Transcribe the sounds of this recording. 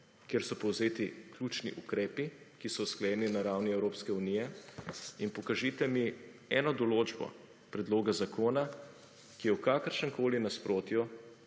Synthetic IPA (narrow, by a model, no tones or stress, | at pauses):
kjeːɾsɔpɔwzeːt̪iklut͡ʃnḭʔukɾɛːpi | kisɔwsklɐjɛːninaɾawniɛwɾoːpskɛunijɛ | inpɔkaʒit̪ɛmi | ɛːnɔd̪ɔloːd͡ʒbɔ̰ | pɾɛd̪loːɡazakʰoːna | kijɛwkaːkəɾʃəŋkoːlinaspɾʔoːt̪ju